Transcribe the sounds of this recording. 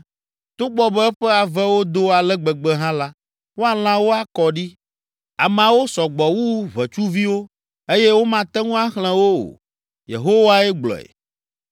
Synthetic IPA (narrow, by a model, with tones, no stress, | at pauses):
t̪o˦ɡ͡bɔ˦bɛ˦ɛ˦ɸɛ˦a˨vɛ˦wo˦d̪o˦a˨lɛ˦ɡ͡bɛ˨ɡ͡bɛ˦ɦã˦la˦ | wo˦a˨l̃ã˦wo˦a˨kɔ˨ɖi˦ | a˨mã˨wo˦sɔ˨ɡ͡bɔ˨wu˦βɛ˨t͡ʃu˦vi˦wo˦ | e˦je˦wo˦mã˨t̪ɛ˦ŋũ˦a˦xl̃ɛ̃˨wo˦o̰˨ | jḛ˨ɦo˦wa˦ɛ˦ɡ͡blɔ̰˨ɛ̰˨